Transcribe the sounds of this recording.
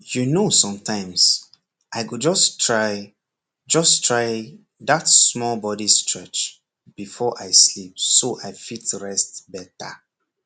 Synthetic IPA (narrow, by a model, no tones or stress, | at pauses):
junosɔ̃mtʰãɪ̃ms | ʔaɪɡud͡ʒɔstʰɹaɪ | d͡ʒɔstʰɹaɪ | ðatsmɔlbɔdistɹɛt͡ʃ | b̥ifɔʔaɪslip̚soʔaɪfitɹɛstbɛta